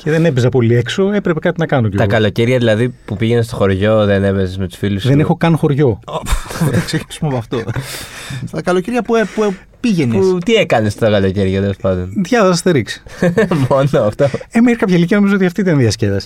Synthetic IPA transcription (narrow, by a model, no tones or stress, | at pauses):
cʰeðe̞nepezɐpo̞liekso̞e̞pɾepe̞kɐt̪inɐkɐnocet̪ɐkɐlo̞ceɾʝɐðilɐðipupiʝe̞nest̪o̞xo̞ɾʝo̞ðeneβezezmet̪u̥sfilusðenexo̞kɐnxo̞ɾʝo̞poɐksecinisumepɐft̪o | t̪ɐkɐlo̞ceɾʝɐpuepu | piʝenest̪iekɐnest̪t̪ɐkɐlo̞ceɾʝɐt̪elospɐnd̪onðʝɐθɐsɐst̪iɾiksi̥monoɐft̪oemɐiɾkɐpçɐiliciɐno̞mizoot̪iɐft̪it̪ɐnðiɐscevɐs